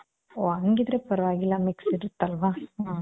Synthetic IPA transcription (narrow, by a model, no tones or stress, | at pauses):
oɐŋɡid̪ɾepɐɾɐʋaːɡilːɐmiksiɾɯt̪ːɐlʋaː